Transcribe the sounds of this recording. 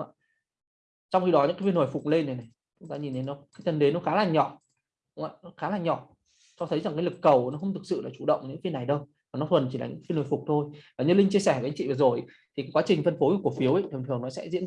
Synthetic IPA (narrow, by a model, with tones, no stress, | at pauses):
ŋ͡maː˧˩ | t͡ɕɔ˧wŋ͡mxi˧ɗɔ˨˦ɲɨ̰˧˥ŋkːa˨˦fi˧nho˨˩jfʊ˨˩k͡p̚le˧nːa˨˩jna˨˩j | t͡ɕʊ˨˦ŋ͡mt̪aː˧ɲi˨˩ne˨˦nːɔ˨˦kaː˨˦jt̪ʰə˧nɗe˨˦nːɔ˨˦xaː˨˦laː˨˩nɲɔ˧˩ | ɗʊ˨˦ŋ͡ma̰ː˧˨nɔ˨˦xaː˨˦laː˨˩nɲɔ˧˩ | t͡ɕɔ˧t̪ʰə˨˦jza˨˩ŋkaː˨˦lɨ˨˩kːə˨˩wnɔ˨˦xə˧wŋ͡mt̪ɨ˨˩k̚sɨ̰˧˨laː˨˩t͡ɕu˧˩ɗə̰˧˨wŋ͡mɲɨ̰˧˥fi˧nːa˨˩jɗə˧w | vaː˨˩nɔ˨˦t̪ʰwə˨˩nt͡ɕi˧˩aː˨˩ɨ̰˧˥aː˨˦vno˨˩fʊ˨˩k͡p̚t̪ʰo˧jvaː˨˩ɲɨ˧lï˧ŋ̟t͡ɕi˧əsɛ˧˩vŋt͡ɕḭ˧˨vəː˨˩zo˨˩jʔ | t̪ʰi˨˩kːa˨˦kwa˨˦t͡ɕï˨˩ŋ̟t̪ʰə˧nfo˨˦˧ku˧˩əfi˨˦əwʔi˦˧˨jt̪ʰɨ˨˩ŋt̪ɨ˨˩əŋnɔ˨˦sɛ̰˧˥zḭ˧˥ə